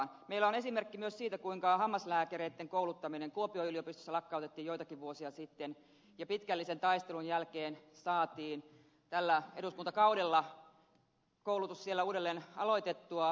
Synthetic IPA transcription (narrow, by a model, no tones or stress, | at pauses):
nmeilæone̞simerkːimyøssiːt̪ækuiŋkɑhɑmːɑslæːkæreit̪ːeŋkoulut̪ːɑmineŋkuopioyliopist̪ø̥sːælɑkːɑut̪et̪ːiːjoit̪ɑkiʋʋuosiɑsit̪ːen | jɑpit̪kælːisent̪ɑist̪elunjælkeːnsɑːt̪iːn | t̪ælːæeɾuskunt̪ɑkɑuwdelːɑ | koulut̪ussielːæuːdelːeːnɑloit̪et̪ːuɑ